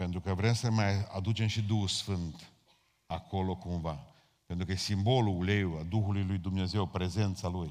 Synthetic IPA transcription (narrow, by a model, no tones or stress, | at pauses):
pent̪ɾukəvɾe̞msəmaja̰d̪ut͡ʃe̞mʃid̪uxsfɨnt̪ | ako̞lo̞kumva | pent̪ɾukəjesimbo̞lule̞wad̪uxulujlujd̪umne̞ze̞wpɾe̞ze̞nt̪saluj